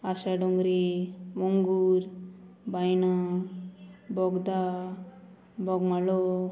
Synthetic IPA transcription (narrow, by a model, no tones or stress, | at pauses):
asaɖɔŋɡɾimoŋɡuɾbajna | bɔɡd̪a | bɔɡmalo